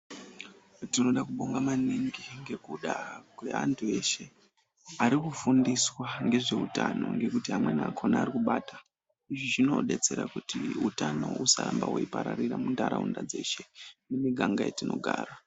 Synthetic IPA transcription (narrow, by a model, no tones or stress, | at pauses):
tino̞ɗakuɓo̞ŋɡamaneŋɡeŋɡe̞kuɗakwe̞̰antʰue̞ʃe̞ | aɾikufundiswaŋɡe̞ʐe̞utano̞̰ŋɡe̞kutiɦamwe̞naaːkʰo̞naːɾikuɓaːtḁ | iʐiʐino̞ɗe̞t͡se̞ɾakutiutano̞usaɾambawuipaɾariramundaɾaundad͡ze̞ʃe̞nemiɡʱaŋɡajetino̞ɡʱaːra